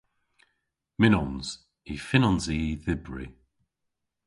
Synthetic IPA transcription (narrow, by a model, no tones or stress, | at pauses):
mɪnɔnz̥ | ifɪnɔnziːðɪbɹḭ